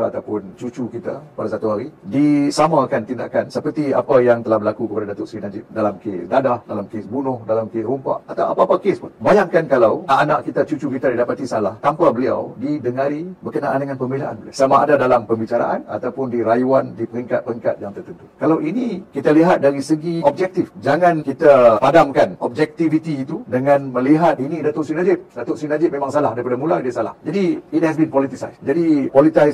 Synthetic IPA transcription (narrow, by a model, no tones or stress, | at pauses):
a̰t̪awpʊnt͡ʃut͡ʃukit̪a̰padasat̪uɦaɾidisamãːkant̪inda̰ʔkansəpərt̪ia̰pajaŋt̪əlahbəlakukəpadadat̪ʊʔsɾinad͡ʒɪt̪̚dalamkesdadahdalamkesbunʊhdalamkesrumpa̰ʔat̪awa̰paːpakespʊnbajaŋkankalawana̰ʔkit̪at͡ʃut͡ʃukit̪adidapat̪isalaht̪ampabəlia̰wdidəŋaɾibəkənaʔa̰ndəŋãnpəmbilaʔa̰nbəlia̰samaʔa̰dadalampəmbit͡ʃaɾa̰ʔa̰na̰t̪awpʊndiɾajuandipəɾiŋkat̪̚pəɾəŋka̰t̪̚jaŋt̪ərt̪ənt̪u̥kalawʔinikit̪aliɦat̪̚daɾisəɡiɔb̚d͡ʒɛk̚t̪ifd͡ʒaŋãnkit̪apadamkanɔb̚d͡ʒɛk̚t̪ivit̪iːt̪udəŋanmə̃liɦat̪̚inidat̪ʊʔsinad͡ʒɪp̚dat̪ʊʔsinad͡ʒɪʔ̚memaŋsalahdaɾipadamuladisala̰hd͡ʒadiːt̪̚hɛsbinpɔlit̪isa̰jsd͡ʒadipɔlit̪ajs